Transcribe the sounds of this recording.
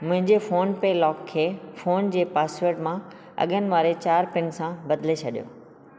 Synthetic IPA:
mʊ̃ɦɪ̃ɲd͡ʑefoːnpelɔːkʰːeːfoːnd͡ʑeːpaːseːɾʈmã | ɐ̰ɠənɪ̆ʋaːɾet͡ɕaːɾpɪnsãbɐd̪let͡ɕʰɐɗijo̰ː

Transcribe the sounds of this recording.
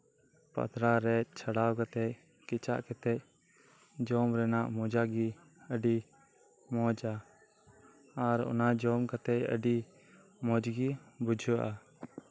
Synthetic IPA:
pə̰t̪ɾaɾɛc̚t͡ʃʰaɽawkat̪ɛc | kit͡ʃa̰ʔkɛt̪ɛc̚ | d͡ʒɔmɾɛnaʔmɔd͡ʒaɡi | əɖi | mɔd͡ʒa | ɾɔ̰nad͡ʒɔmkat̪ɛc̚ə̰ɖi | mɔd͡ʒɡibud͡ʒʱəʔa

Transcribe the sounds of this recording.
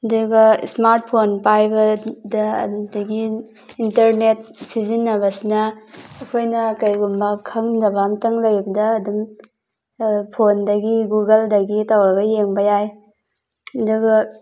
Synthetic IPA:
ɐduɡɐsmaɾt̚pʰonpajbɐdɐ̰dɐɡiː | ntɐɾnet̚sizinːɐβɐsinɐːkʰojnɐkɐɾɡumbɐkʰɐŋdɐbamtɐŋlɐjbɐdɐːdum | pʰondɐɡiɡuɡɐldɐɡitawɾɐɡɐjeŋbɐjaj | ɐduɡɐ

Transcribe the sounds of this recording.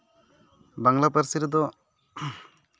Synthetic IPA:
baŋlapəɾsiɾd̪ɔ

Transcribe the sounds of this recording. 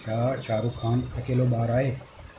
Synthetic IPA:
ʃaːɾt͡ʃʰaːɾukʰaːnɐkeːlobaːɾaːeː

